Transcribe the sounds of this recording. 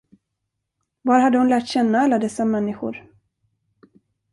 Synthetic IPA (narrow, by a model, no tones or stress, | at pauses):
vaɾɦad̪ːəhʊnlæːʈɕɛnːaalːad̪ɛsːamɛnːɪɧʊ̰ɾ